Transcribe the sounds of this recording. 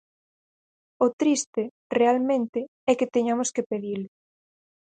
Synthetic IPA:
oʊt̪ɾist̪ɪ | realmẽnt̪ɪ | ɛkɪt̪eɲamoskepeðilɪ

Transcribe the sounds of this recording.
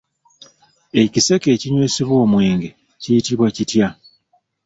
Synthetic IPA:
e̞cise̞ke̞ːciɲweːsiβwo̞ːmwe̞ːŋɡe̞ | cijitiβwacitja

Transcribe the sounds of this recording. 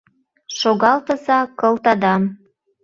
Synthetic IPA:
ʃoɣɑlt̪ə̆zɑkɤlt̪ɑd̪ɑm

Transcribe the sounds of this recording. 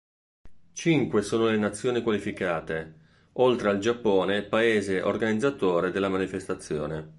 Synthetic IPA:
t͡ʃiŋkwesoːnolenat̪sːjoːnikwalifikaːt̪e | olt̪ɾeald͡ʒapːoːnepaeːzeʔo̰rɡanid̪zat̪oːɾed̪elːamanifest̪at̪sːjo̰ːne

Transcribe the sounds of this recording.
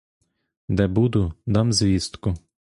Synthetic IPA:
d̪ɛbud̪ʊd̪ɑmzʲʋʲist̪kʊ

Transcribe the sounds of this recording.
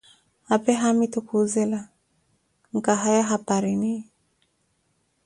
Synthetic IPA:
apɛɦamitukʰuzɛla | ŋ̩kaɦajaɦapaɾini

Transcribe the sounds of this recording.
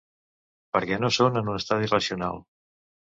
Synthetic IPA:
pəɾkɛnosonənunəst̪að̞irəsiuna̰lˠ

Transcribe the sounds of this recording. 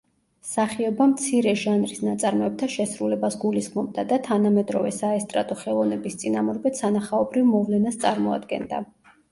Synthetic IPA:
saχiɔbamt̪sʰiɾɛʒanɾisnat̪sʼaɾmɔɛb̚t̪ʰaʃɛsɾulɛbasɡulisχmɔb̚d̪ad̪at̪ʰanamɛd̪ɾɔvɛsaɛst̪ʼɾa̰t̪ʼɔχɛlˠɔvnɛbist̪sʼinamuɾbɛt̪sanaχaɔbɾivmɔvlɛnast̪sʼaɾmɔa̰d̪ɡɛ̰nd̪a̰

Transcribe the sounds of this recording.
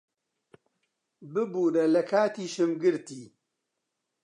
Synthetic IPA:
bɨbuːɾɐlɐkʰaːt̪iːʃɨmɡɨɾt̪iː

